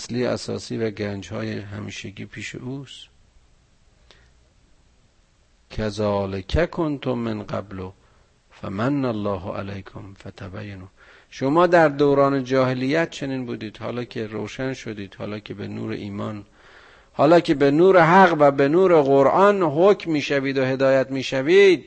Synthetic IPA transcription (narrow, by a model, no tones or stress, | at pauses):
sliːæ̰sɒ̰ːsiːvæɡænd͡ʒhɒːjeɦæ̰miːʃeɡiːpʰiːʃḛʔuːst̪ | cʰæzɒːlekʰækʰont̪ʰomenɢæ̰blo | fæ̰mænːælːɒːɦo̰ʔæ̰læjkʰomfæt̪ʰæbæjːanuː | ʃomɒːd̪æɾd̪owɾɒːned͡ʒɒːhelijːæt̪̚t͡ʃʰe̞niːnbuːd̪iːd̪̥hɒ̰ːlɒːcʰeɾo̰wʃænʃod̪iːd̪̥hɒ̰ːlɒːkʰebenṵːɾḛʔiːmɒːn | hɒːlɒːcʰe̞benuːɾeɦæɣvæbe̞nuːɾe̞ɣoɾʔɒːnɦocʰmːiːʃæviːd̪ohe̞d̪ɒːjæt̪miːʃæviːd̪̚